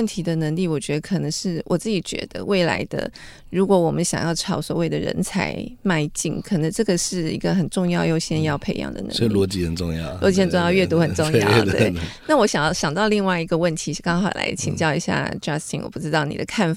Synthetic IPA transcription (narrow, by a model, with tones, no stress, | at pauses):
ə˥˩nt̪ʰi˧˥d̪ə˧nə˧˥ŋli˥˩wɔ˨˩t͡ɕɥɛ˧˥d̪ə˧kʰɤ˨˩nə˧˥ŋʂɻ̩˥˩wɔ˨˩t͡sɹ̩˥˩t͡ɕi˨˩t͡ɕɥɛ̰˧˥d̪ə̰˧we˥˩ɪla̰˧˥ɪd̪ə̰˧ | ɻu˧˥kwɔ˧˥wɔ˨˩mə˦nɕjɑ̰˨˩ŋjɑ˥˩ʊʈ͡ʂʰɑ˧˥ʊswɔ˨˩we˥˩ɪd̪ə˩ɻə̰˧˥nt͡sʰa̰˧˥ɪma˥˧ɪt͡ɕḭ˥˩ŋkʰə˨˩nə˧˦ŋʈ͡ʂɤ˥˩ɡə˩ʂɻ̩˥˩i˧˥ɡə˧xə˨˩nʈ͡ʂʊ˥˧ŋjɑ˥˧ʊjo˥˧ʊɕjɛ˥njɑ˥˧ʊpʰe˧˥ɪjɑ̰˥˩ŋd̪ə̰˩n̰˧˥lwɔ˧˥t͡ɕi˧˥xə˨˩nʈ͡ʂʊ˥˧ŋjɑ̰˥˩ʊlɔ˧˦t͡ɕi˧˥xə˨˩nʈ͡ʂʊ˥˧jɑ˥˧ʊɥɛ˥˩t̪u˧˥xə˨˩nʈ͡ʂʊ˥˧ŋjɑ̰˥ʊ˩t̪wḛ˥˩ɪna˥˩wɔ˧˥ɕjɑ˨˩ŋjɑ˥˩ɕjɑ˨˩ŋt̪ɑ˥˧ʊli˥˧ŋwa˥˩ɪi˧˥ɡə˧wə˥˩nt̪ʰi˧˥˩kɑ˥ŋxɑ˨˩ʊla̰˧˥ɪt͡ɕʰḭ˨˩ŋt͡ɕjɑ˥˩ʊi˧˥ɕja̰˥˧˩ʈ͡ʂa˥st̪ʰḭ˧˥nwɔ̰˨˩pu˥˩ʈ͡ʂɻ̩˥t̪ɑ˥˩ʊnḭ˨d̪ə˦kʰa˥˩nf